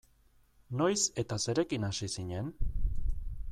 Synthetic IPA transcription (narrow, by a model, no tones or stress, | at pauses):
no̞jse̞t̪ase̞ɾe̞kinasisiɲe̞n